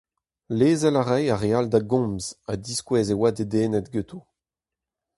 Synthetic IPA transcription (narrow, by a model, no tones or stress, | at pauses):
leːzɛlaʁɛjaʁeald̪aɡɔ̃mzad̪iskwɛːzewaded̪eːnɛt̪ɡøt̪ʰo